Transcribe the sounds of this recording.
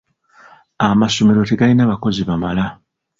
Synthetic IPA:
amaso̞me̞ɾo̞te̞ɡalinaβako̞ziβamala

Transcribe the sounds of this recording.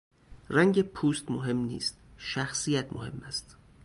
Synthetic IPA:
ræŋɟepʰuːst̪moɦe̞mnḭːst̪̚ʃæxsijæt̪mo̰he̞̰mːæst̪

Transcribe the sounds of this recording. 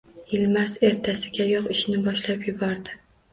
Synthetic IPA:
jɪlmaɾse̞ɾt̪ʰasɪɡʲajɒqɪʃnɪbɒʃlapjʊbɒɾd̪ɪ

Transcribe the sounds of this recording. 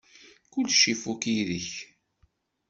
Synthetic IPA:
kʊlːʃifukiðiç

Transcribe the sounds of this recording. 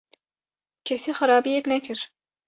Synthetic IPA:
kʲʰɛsixɨɾaːbijɛknɛkʰɨɾ

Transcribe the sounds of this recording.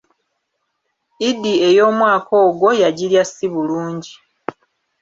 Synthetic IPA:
idːie̞jo̞ːmwaːkʰo̞ːɡwo̞jaɟiljasːiβuluːɲɟi

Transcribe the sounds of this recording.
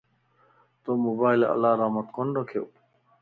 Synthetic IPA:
t̪omobaːjlɐ̰laːɾaːmɐt̪konɖokʰe

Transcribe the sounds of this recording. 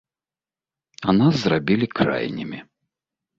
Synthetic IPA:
anazzrabʲilʲikɾa̰jnʲimʲi

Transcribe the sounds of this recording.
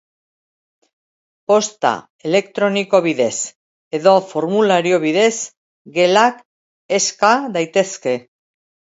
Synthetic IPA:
po̞st̪a̰ | e̞le̞kt̪ɾo̞niko̞β̞iðe̞s | e̞ðo̞fo̞ɾmulaɾio̞βiðe̞s | ɡe̞lak | e̞skaðajt̪e̞ske̞

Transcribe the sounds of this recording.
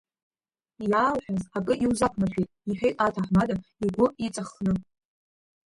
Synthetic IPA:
jaːlħʷᶣazakʼɨʔiwzakʷʰnaʃᶣejtʼiħʷᶣejtʼatʰaħmadaiɡʷʊit͡sʼaχnɨ

